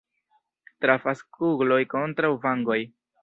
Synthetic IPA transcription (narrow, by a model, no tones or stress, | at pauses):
tɾafaskuɡlo̞jko̞ntɾawvaŋɡo̞j